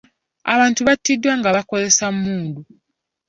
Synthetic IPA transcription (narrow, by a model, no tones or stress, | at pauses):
a̰βaːntuβatːidːwaŋɡaβako̞ze̞sammuːndu